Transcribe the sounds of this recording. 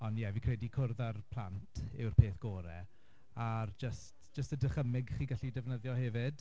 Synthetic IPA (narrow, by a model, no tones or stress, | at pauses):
ɔnjɛvikʰrɛdikʰʊrðarpʰl̥ˠa̰ntʰɪwrpʰeːθɡ̥oːɾɛ̰ | ard͡ʒəstʒ̥əstədɪχəmɪɡχiːɡaɬidɛvnəðjɔhɛvɪd̥